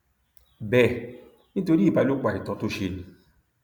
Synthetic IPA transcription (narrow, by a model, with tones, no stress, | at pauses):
bɛ˨ | nĩ˦to˧ɾi˦i˦˨ba˧˦˧lo˨˦k͡pa˨i˨tɔ̃˨˦to˦ʃe˧nĩ˨˧